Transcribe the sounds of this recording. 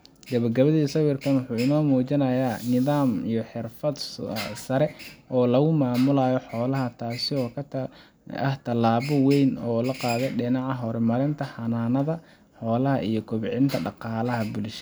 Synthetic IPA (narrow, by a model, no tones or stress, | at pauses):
ɡɐβɐɡɐβɐðisɐwɪrkʰɐnwʊħuːɪnɔːmuːt͡ʃɪnɐjaːnɪðaːmijɔħɪrfɐd̪sɐɾɛɔːlɐɣʊmaːmʊlɐjɔħɔːlɐɦɐt̪ʰaːsɪɔːkʰ | ɐ̰ht̪ʰɐlaːβɔwɛjnɔːlɐqɑːðɛjɖɪnɑʕɑɦɔɾɛmɐɾɪnt̪ʰɐħɐnaːnɐðɐ | ħɔːlɐɦɐʔijɔkʰʊβɪʕɪnt̪ʰɐɖɑqɑːlɐɦɐbʊlʃɐ